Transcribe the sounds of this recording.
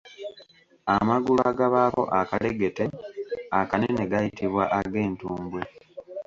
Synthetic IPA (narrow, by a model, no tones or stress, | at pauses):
amaɡulaɡaβaːko̞̰ʔakaleɡe̞teakanene̞ɡajitiβwaʔaɡe̞ːntuːmbwe